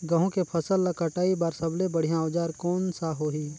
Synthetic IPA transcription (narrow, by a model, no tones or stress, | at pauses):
ɡɐɦõkepʰəsəlːəkəʈaːibaːɾsəblebəɽ̤ijãd͡ʒaːɾkɔːnsaɦoːɦiː